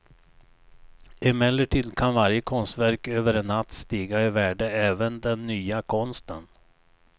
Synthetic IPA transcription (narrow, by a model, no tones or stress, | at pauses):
ɪmɛlːəʈiːd̪kʰanvaɾjəkʰɔnst̪væɾkøːvəɾɛnːat̪ːst̪iːɡaɪvæːɖəɛːvənd̪ɛnːyːakʰɔnst̪ən